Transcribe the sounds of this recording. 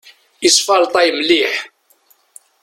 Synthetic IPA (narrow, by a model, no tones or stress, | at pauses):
isˤfɑɾˤt̪ˤɑjmliħ